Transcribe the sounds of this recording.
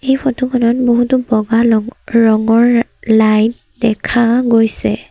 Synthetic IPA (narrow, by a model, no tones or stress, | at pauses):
ejpʰɔtʰukʰɔnɔtboɦutubɔɡalɔɹɔŋɔɹ | lajt | dɛkʰaɡojsɛ̰